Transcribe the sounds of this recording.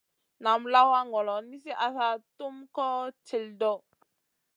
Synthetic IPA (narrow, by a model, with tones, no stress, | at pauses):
na˨mla˦wa˦ŋɔ˨lɔ˨ni˦s̬i˦ʔa˨sa˦tu˦mkɔ˦t͡ʃe˨ldɔ˦˨